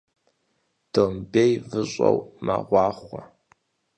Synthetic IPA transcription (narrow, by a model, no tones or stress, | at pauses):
d̥ɨʁmbejvɨɕʼɐwmaʁʷɑːχʷɔ